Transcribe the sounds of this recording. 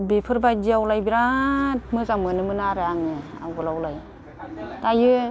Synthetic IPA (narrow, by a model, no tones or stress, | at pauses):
bepʰɯɾbadiawlajbiɾat̚mɯzamɯnɯmɯnaɾɯaŋɯa̰wɡɯlawlaj | tajɯ